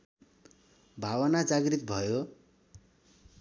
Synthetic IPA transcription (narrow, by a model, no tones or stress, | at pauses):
bʱawʌnad͡zaɡrit̪̚bʱʌjo